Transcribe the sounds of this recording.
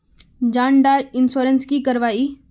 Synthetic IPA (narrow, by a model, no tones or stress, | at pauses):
d͡ʒãːɳɖaːɾɪnsoːɾənskikɐɾʋaːiː